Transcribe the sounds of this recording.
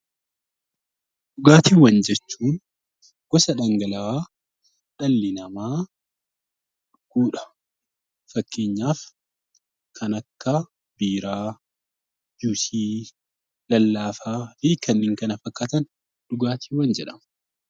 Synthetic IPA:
ᶑ̥ʊɡaːt̪iːwɐnd͡ʒɛt͡ʃːuːn | ɡ̥ɔsɐᶑɐŋɡɐlɐwaː | ᶑɐlːɪnɐmaː | ɡ̥uːᶑɐ̥ | fɐkːe̞ːɲːaːf | kʰɐnɐkːɐ | b̥iːɾaː | d͡ʒuːsiː | lɐlːaːfaːfikʰɐnːɪŋkɐnɐfɐkːat̪ɐn | ᶑ̥ʊɡaːt̪ʰiːwɐnd͡ʒɛᶑɐm

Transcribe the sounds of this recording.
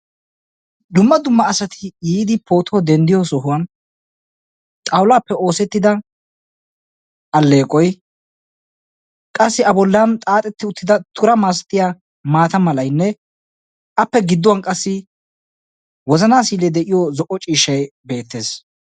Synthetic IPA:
d̪ʊmːɐd̪ʊmːɐːsɐt̪ʰɪjiːd̪ɪpʰo̞ːt̪ɔɔd̪ɛnd̪ɪjɔsɔɦʊwɐn | t̪ʼɐwʊlaːpːɛo̞ːsɛt̪ːɪd̪ɐ | ʔɐlːe̞ːkʼɔj | kʼɐsːɪɐbɔlːant̪ʼaːt̪ʼɛt̪ːɪʊt̪ːɪd̪ɐt̪ʰʊɾɐmaːs̬ɐ̥t̪ɪja | maːt̪ɐmɐlɐjnːɛ | ʔɐpːɛɡɪd̪ːʊwɐnkʼɐsːɪ | wɔzɐnaːsiːlɛd̪ɛʔɪjɔzɔʔːɔt͡ʃʼiːʃɐjbe̞ːt̪ːe̞ːs

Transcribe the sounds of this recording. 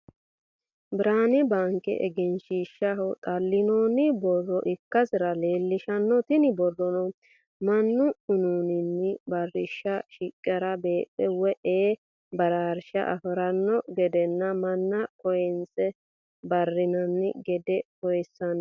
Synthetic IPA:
bɪɾaːnɪbaːŋkʼɛ̰ʔɛ̰ɡɪnʃiːʃːɐɦʊt̪ʼɐlːɪnoːnɪbɔrːɔʔɪkːɐsɪɾɐleːlːɪʃɐnːɔt̪ɪnɪbɔrːɔnɔ | mɐnːʊʊnuːnɪnːɪbɐrːɪʃːɐʃɪkʼːɛɾɐbe̞ːpʼːɛwɛʔeː | bɐɾaːɾʃɐ̰ʔɐ̰fɪɾɐnːɔɡɛd̪ɛnːɐmɐnːɐkɔjɛnt͡sɛ | bɐrːɪnɐnːɪɡɛd̪ɛkɔjɛsːɐn

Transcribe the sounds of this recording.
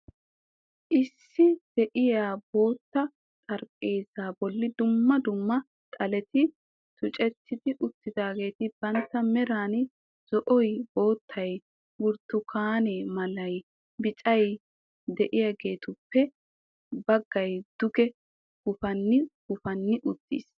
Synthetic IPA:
ʔɪsːɪd̪̥ɛʔɪjaːbo̞ːt̪ːɐ | t̪ʼɐɾkʼːe̞ːzaːbɔlːɪd̪ʊmːɐd̪ʊmːɐ | t̪ʼɐlɛt̪ɪ | t̪ʊt͡ʃʼɛt̪ːɪd̪ɪʔʊt̪ːɪd̪aːɡe̞ːt̪ɪbɐnt̪ːɐmɛɾaːn | z̥ɔʔɔjbo̞ːt̪ʰːɐj | wʊɾt̪ːʊkʰaːneːmɐlɐj | bɪt͡ʃʼɐj | d̪ɛʔɪjaɡe̞ːt̪ʊpːɛ | bɐɡːɐjd̪̥ʊɡɛ | ɡ̥ʊfɐnːɪɡ̥ʊfɐnːɪʔʊt̪ːḭːs

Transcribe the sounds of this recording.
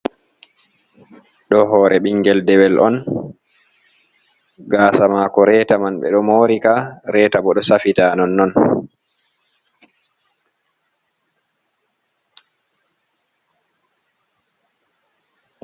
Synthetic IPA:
ɗɔɦɔːɾɛɓiŋɡɛldɛwɛlʔɔn | ɡaːsamaːkɔɾɛːtamanɓɛ̰ɗɔmoːɾikaɾɛːtabɔɗɔsafitaːnɔnːɔn

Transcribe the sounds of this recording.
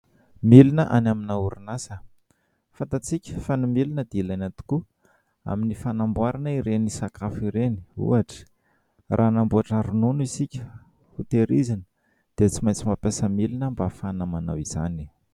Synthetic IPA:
milinəʔanaminauɾinasə | fant̪at͡sikʲə̥fanimilinəd̪ilanat̪u̥ku | a̰minifanambuaɾanəiɾenisakafiɾeni̥ṵaʈ͡ʂə̥ | rʔaːnambuaʈ͡ʂaɾununisikʲə | hut̪eɾizinə̥ | d̪̥et͡simajt͡simapesəmilinəmbafanamanawiz̥a̰ni

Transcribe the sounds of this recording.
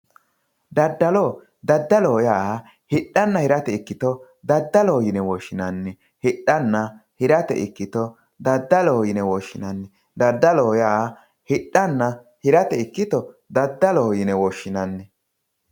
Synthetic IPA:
d̪ɐd̪ːɐloː | d̪ɐd̪ːɐloːjaː | hɪɗːɐnːɐhɪɾɐt̪ɛɪkːɪt̪ɔ | d̪ɐd̪ːɐloːjɪnɛwɔʃːɪnɐnːɛ | hɪɗːɐnːɐhɪɾɐt̪ɛ̰ʔɪkːɪt̪ɔ | d̪ɐd̪ːɐloːjɪnɛwɔʃːɪnɐnːɛ | d̪ɐd̪ːɐloːjaː | hɪɗɐnːɐ | hɪɾɐt̪ɛɪkːɪt̪ɔ | d̪ɐd̪ːɐloːjɪnɛwɔːʃːɪnɐnːɛ

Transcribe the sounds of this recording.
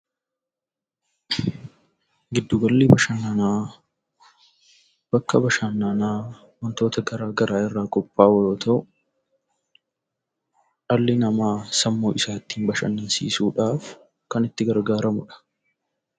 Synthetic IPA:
ɡɪd̪ːʊɡɐlːiːbɐʃɐnːaːnaː | b̥ɐkːɐbɐʃanːaːnaː | wɐnt̪o̞ːt̪ɐɡɐɾaːɡɐɾaːɪrːaːkʼɔpːaːwɐjoːt̪ʰɐʔʊ | ɐlːɪnɐmaːsɐmːoːʔɪsaːt̪ːiːnbɐʃɐ̰nːɐnsḭːsuːᶑaːf | kɐnɪt̪ːɪɡɐɾɡaːɾɐmʊᶑɐ̥

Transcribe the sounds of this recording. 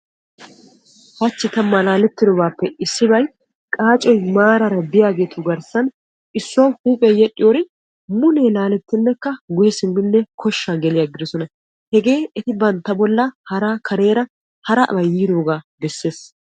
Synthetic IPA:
hɐt͡ʃːɪt̪ɐmːɐlaːlɛt̪ːɪd̪ɔbaːpːɛʔɪsːɪbɐj | kʼaːt͡ʃʼɔjmaːɾɐɾɐbɪjaːɡe̞ːt̪ʊɡɐɾsɐn | ɪsːʊwɐwhuːpʼɛjɛɗʼːɪjoːɾɪ | mʊneːlaːlɛt̪ːɪnːɛkːɐɡʊjɛsɪnːɪnːɛkʰɔʃːaɡɛlɪjaɡɪd̪ɔsɔnɐ | hɛɡe̞ːɛt̪ɪbɐnt̪ːɐbɔlːɐhɐɾakʰɐɾe̞ːɾɐ | hɐɾɐʔbɐjiːd̪o̞ːɡaːbɛsːe̞ːs

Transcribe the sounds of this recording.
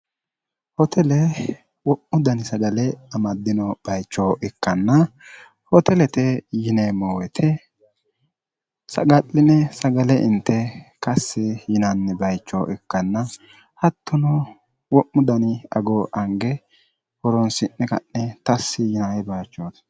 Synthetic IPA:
hɔt̪ʰɛlɛ | wɔʔːʊd̪ɐnɪsɐɡɐlɛɐmɐd̪ːɪnɔb̥ɐjt͡ʃːɔʔɛkːɐnːɐ | hɔt̪ɛlɛt̪ɛjɪnɛmɔwɛt̪ʰɛ | sɐ̰ɡɐlːɪnɛsɐɡɐlɛʔɪ̰nt̪ːɛkɐsːɪjɪnɐnːɛbɐjt͡ʃːɔ̰ʔɛkːɐnːɐ | hɐt̪ːʊnɔ | wɔʔːʊd̪ɐnɪɐ̰ɡɔʔɐŋɡɛ | hɔɾɔnsɪnːɛkɐ̰nːɛt̪ɐsːɪjɪnajɛbɐjt͡ʃːoːd̪

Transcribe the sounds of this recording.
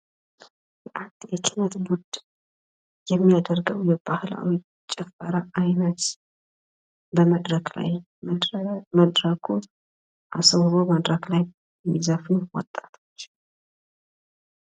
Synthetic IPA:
bəʔant̪jɛkʰɪnət̪bud̪ | jɛmːijad̪əɾɡəwjɛbahla̰w | t͡ʃʼːɛfːəɾaʔajnət̪ | bəməd̪ɾəkla̰j | məd̪ɾəkʰu | ʔasəwɾowməd̪ɾəklaj | mizəfɨnwɔ̰t̪ʼːat̪ʰo̞t͡ʃː

